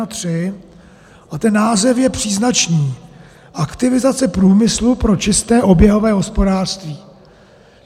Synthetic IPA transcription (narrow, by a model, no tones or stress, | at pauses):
at̪r̥ɪ | ʔat̪ɛnːaːzɛfjɛpr̥iːznat͡ʃniː | ʔakt̪ɪvɪzat͡sɛpɾuːmɪslupɾo̞t͡ʃɪst̪ɛːʔo̞bjɛɦo̞vɛːɦo̞spo̞daːr̥st̪viː